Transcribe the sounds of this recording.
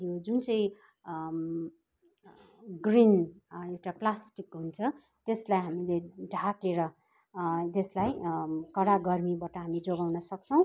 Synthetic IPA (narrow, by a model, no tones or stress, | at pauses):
jod͡zunt͡sʌĩ | ɡrinewʈaplasʈikɦunt͡sʰʌ | t̪eslajɦamileɖʱakeɾʌ | t̪eslajkʌɽaɡʌrmibaʈʌɦamid͡zoɡawnʌsʌk̚t͡sʰʌ̃w̃